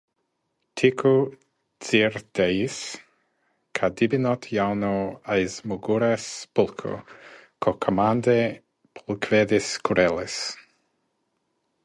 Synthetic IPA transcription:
t̪ʰikʰu | t͡siɾd̪̥ejis | kʰad̪ibinɔt̪ʰjawnoajzmuɡuɾespulkʰo̰kʰokʰomand̪e | pʰulkʰveðiskuɾʔɛles

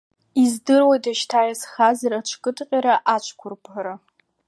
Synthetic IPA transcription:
izdɨrwajtaʃtʰaːjasxazaɾat͡ʃʷʰkʼɨtʼqʲʼaɾaʔat͡ʃʷʰkʷʰʊrpʰʼaɾa

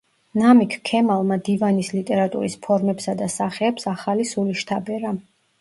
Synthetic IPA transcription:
namikʰkʰːɛmalˠmad̪ivanislit̪ʼɛɾat̪ʼṵɾispʰɔɾmɛpsad̪asaχɛːpsaχalisuliʃt̪ʰabɛɾa

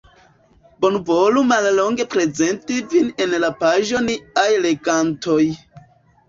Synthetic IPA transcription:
bonvo̞lumallo̞ŋɡe̞pɾe̞ze̞ntivinenlapaʒo̞niajle̞ɡanto̞j

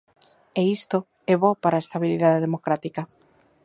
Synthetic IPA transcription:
eist̪o | ɛβɔpaɾaest̪aβiliðaðeðemokɾat̪ika

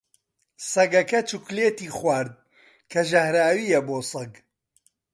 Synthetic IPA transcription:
sɐɡɐkɐt͡ʃukleːt̪iːχwaːɾd̪̚ | kʰɐʒɐhɾaːwiːjɐboːsɐɡ

